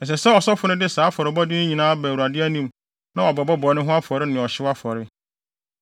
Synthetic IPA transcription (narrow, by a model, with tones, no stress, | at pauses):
ɛ˨s̬ɛ˨sɛ˦ɔ˨sɔ˦fʊ˨nɪ̃˦dɪ˦saː˨˦fɔ˨ɾɪ˨bɔ˦dɪ˦ɪ̃˦ɲĩ˨nãː˦bu˨a˨dɪ˦æ˦nĩ˦m | nã˦ɔ˨bɔ˨bɔ˦bɔ˨˦nʊ̃˦ɦʊ̃˦a˦fɔ˨ɾɪ˦nɪ̃˨ɔ˨ɕɪ˦wa˦fɔ˨ɾɪ˦